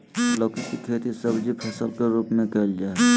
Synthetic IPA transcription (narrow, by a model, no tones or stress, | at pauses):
loːkikikʰet̪isəbd͡ʒipʰəsəlkeɾuːpmẽkəɦld͡ʒaː